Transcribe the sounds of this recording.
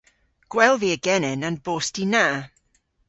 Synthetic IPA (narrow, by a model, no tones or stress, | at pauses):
ɡ̥wɛlˠviəɡɛnɛnanboːstinaː